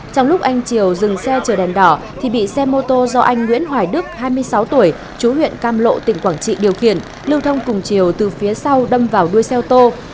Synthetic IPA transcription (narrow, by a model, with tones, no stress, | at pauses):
t͡ɕɔ˧wŋ͡mlʊ˦˥k͡p̚ʔa˧jŋ̟t͡ɕi˧˩əwzɨ˨˩ŋsɛ˧t͡ɕəː˨˩ɗɛ˨˩nɗɔ˧˩ | t̪ʰi˨˩ɓḭ˧˨sɛ˧mo˧t̪o˧zɔ˧ʔa˧jŋ̟ŋwḭ˧˥ənɦwaː˨˩jɗɨ˦˥ək̚haː˧jmɨ˧əjsa˨˦wt̪u˧˩əj | t͡ɕu˨˦hwḭ˧˨ənkaː˧mlo̰˧˨t̪ï˧˩ŋ̟kwaː˧˩ŋt͡ɕḭ˧˨ɗi˨˩əwxḭ˧˩ən | lɨ˧wt̪ʰə˧wŋ͡mkʊ˨˩ŋ͡mt͡ɕi˧˩əwt̪ɨ˨˩fi˨˦əsa˧wɗə˧mvaː˨˩wɗu˧əjsɛ˧wt̪o˧